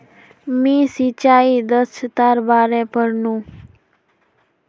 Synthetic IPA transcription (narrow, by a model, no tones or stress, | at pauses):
mĩsit͡ʃaːid̪əst̪aɾbaːɾepəɾnũ